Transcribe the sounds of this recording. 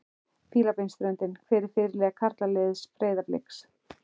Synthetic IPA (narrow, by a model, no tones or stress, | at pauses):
fiːlapejnst̪ɾœnt̪ɪnkʰvɪːɾɪɾ̥fɪːɾɪlɛːɣakʰaɾt̪lalɪðspɾeːjðaplḛks